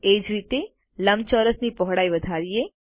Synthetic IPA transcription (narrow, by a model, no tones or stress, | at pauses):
eːd͡ʒʋit̪e | ləmt͡ʃɔːɾəsnipɔɦɽaːiʋəd̪ʱaːɾie